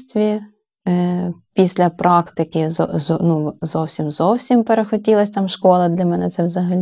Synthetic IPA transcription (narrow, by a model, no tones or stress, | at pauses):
sʲt̪ʲʋʲi | pʲisʲlʲɐpɾʔɑkt̪ɪkɪɔ̰ɔnuzɔwsʲimzɔwsʲimpeɾexɔtʲilˠɐsʲt̪ɑmʃkɔlˠɐd̪lʲɐmɛnɛt̪sɛwzɐɦɐlʲ